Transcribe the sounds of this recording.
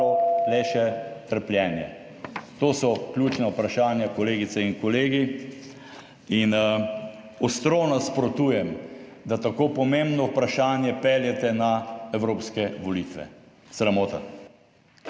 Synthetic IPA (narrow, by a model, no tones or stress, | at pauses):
ɔlɛʃɛt̪əɾpljɛːnjɛ̰ | t̪oːsɔklʲuːt͡ʃnaupɾaʃaːnjakɔleːɡit̪sɛinkɔleːɡi | in | ɔst̪ɾonaspɾot̪uːjɛmd̪at̪akoːpɔmẽmbnɔupɾaʃaːnjɛpeljɛt̪ɛnaɛwɾoːpskɛʋɔlit̪ʋɛ̰ | sɾamoːt̪a̰